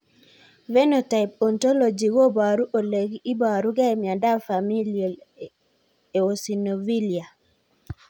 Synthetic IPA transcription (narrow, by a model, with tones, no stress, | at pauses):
ve˦no˨ta˨ɪp̚ɔ˨nto˦lo˨d͡ʒi˨wo˦ba˨ɾu˦ʔo˨le˨ɡi˦ba˨ɾu˦ɡɛ˦˨mja˨da˦fa˨mi˦lo˨ | e˨o˨si˨no˨vi˦lja˨